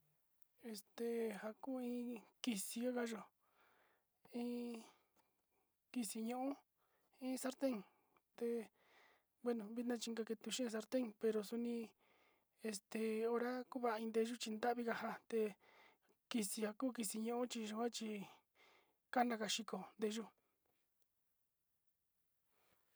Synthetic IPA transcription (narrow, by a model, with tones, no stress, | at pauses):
e˧st̪e˨ha˧kuː˦ĩː˧˦ki˧si˧ka˦ka˦˧ʒo˨ | ĩː˧˦ | ki˧si˧ɲũ˧ʔõ˦ | ĩ˦sa˧ɾt̪e˦˨ŋ | t̪e˧ | bwe˧nõ˨βi˧t̪nã˧t͡ʃi˧ŋɡa˧ke˧t̪u˧ʃĩ˦˧s̬a˧ɾt̪e˦ŋpe˧ɾo˧su˧nĩ˧ | e˧st̪e˧˨o˧ɾa˦ku˦βa˧ĩ˧nd̪e˧ʒu˦t͡ʃi˧nd̪a˦βi˧ka˧ha˧t̪e˧ | ki˧si˧a˧kuː˦˨˧ki˧si˧ɲũ˧˦ʔõ˦t͡ʃi˧ʒu˧kʷã˦t͡ʃi˧ | ka˦nã˧ka˧ʃi˧ko˨nd̪e˧ʒu˦